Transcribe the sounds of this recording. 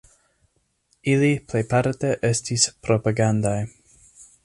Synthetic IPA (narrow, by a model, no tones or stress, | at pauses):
iliplejpaɾteʔestispɾo̞paɡandaj